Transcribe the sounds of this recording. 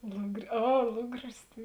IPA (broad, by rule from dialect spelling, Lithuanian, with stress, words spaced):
lˠʊɡrʲɪ ˈɐ ˈlˠʊɡrʲɪs tɐɪ